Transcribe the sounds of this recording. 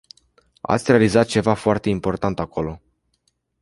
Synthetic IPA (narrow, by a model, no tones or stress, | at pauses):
a̰t̪sʲre̞alizat̪̚t͡ʃe̞vafoart̪e̞impo̞rt̪ant̪akʰo̞lo̞